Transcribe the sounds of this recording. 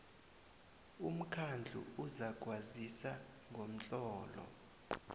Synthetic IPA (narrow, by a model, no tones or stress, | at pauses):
um̩kʰand͡ɮʱṵuzaɡ̥ʱwazisa | ŋɡʱom̩t͡ɬʼɔːlɔ̰